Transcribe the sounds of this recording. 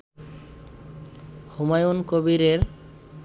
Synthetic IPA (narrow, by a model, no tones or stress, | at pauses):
humajunkobiɾeɾ